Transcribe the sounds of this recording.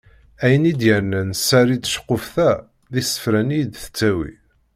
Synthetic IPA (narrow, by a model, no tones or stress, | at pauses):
æjənid̪jəɾnænsːæɾiʃə̥qːʊfθæ | ðisə̥fɾænijd̪θə̥t͡sːæwḭ